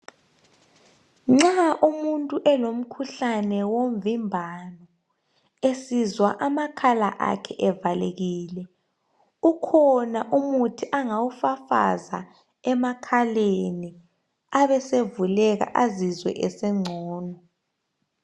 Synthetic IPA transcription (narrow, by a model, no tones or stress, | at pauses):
ŋ͡ǀaʔumuntʼuʔɛlom̩kʰuɬanɛwom̩vimbʱanɔ | esizwaʔamakʰalaʔa̰kʰɛʔɛvaleɣiːlɛ | ukʰɔnaʔumutʰiʔaŋawufafa̰za̰ | ɛmakʰaleni | aβɛsevulɛɣa̰ʔazizwɛ̰ʔɛsɛŋ͡ǀʱɔːnɔ